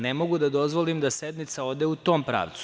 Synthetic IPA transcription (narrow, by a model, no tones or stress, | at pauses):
nemo̞ɡud̪ad̪o̞zʋo̞limd̪ased̪nit̪sao̞d̪eut̪o̞ːmpɾa̰ːʋt̪su̥